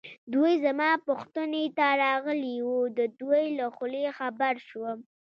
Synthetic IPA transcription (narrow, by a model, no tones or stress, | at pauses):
d̪ujzamɑpʊxt̪ənet̪aɾɑɣəliwud̪əd̪wojlaxʊlexabaɾʃwəm